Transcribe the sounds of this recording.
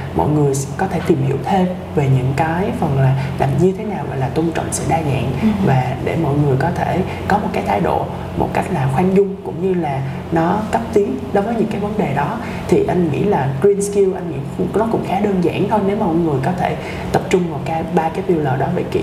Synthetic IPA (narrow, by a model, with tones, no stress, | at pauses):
mɔ̰˧˨jŋɨ˨˩əjkɔ˨˦t̪ʰe˧˩t̪i˨˩mhḭ˧˩əwt̪ʰe˧m | ve˨˩ɲɨ̰˧˥ŋkaː˨˦jfə˨˩nlaː˨˩laː˨˩mɲɨ˧t̪ʰe˨˦naː˨˩wɣɔ̰˧˨jlaː˨˩t̪ʊ˧ŋ͡mt͡ɕɔ̰˧˨wŋ͡msɛ̰˧˥ɗaː˧za̰ː˧˨nvaː˨˩ɗḛ˧˩mɔ̰˧˨jŋɨ˨˩əjkɔ˨˦t̪ʰe˧˩ | kɔ˨˦mo˨˩t̚kaː˨˦jt̪ʰaː˨˦jɗo̰˧˨ | mo̰˨˩t̚ka˦˥jk̟̚laː˨˩xwa˧ŋzʊ˧ŋ͡mkʊ̰˧˥wŋ͡mɲɨ˧laː˨˩ | nɔ˨˦kə˦˥p̚t̪i˨˦ənɗo˨˦jvəː˨˦jɲɨ̰˧˥ŋkaː˨˦jvə˨˦nɗe˨˩ɗɔ˨˦ | t̪ʰi˨˩ʔa˧jŋ̟ŋḭ˧˥laː˨˩kwi˧nski˧wʔa˧jŋ̟ŋḭ˧˥nɔ˨˦kʊ̰˧˥ŋ͡mxaː˨˦ɗəː˧nza̰ː˧˨nt̪ʰo˧jne˨˦wma˨˧˨jŋɨ˨˩əjkɔ˨˦t̪ʰe˧˩ | t̪ə˨˩p̚t͡ɕʊ˧ŋ͡mmo˨˩t̚kaː˨˦jɓaː˧kaː˨˦jpi˧wləː˨˩ɗɔ˨˦vḛ˧˩kḭ˧˨